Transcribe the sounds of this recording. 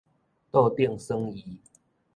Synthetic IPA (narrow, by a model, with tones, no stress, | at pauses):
t̪o˥˧ʊt̪jɛ˥˨nsə˦ŋi˨˦